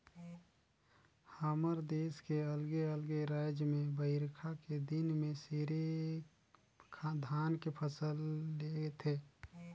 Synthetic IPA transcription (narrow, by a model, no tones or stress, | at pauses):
haːməɾd̪eːskeəlɡeəlɡeɾad͡ʒjmẽbəɪɾkʰaked̪ɪnmẽseɾe | kʰad̪ʱaːnkepʰəsəlːeet̪ʰeː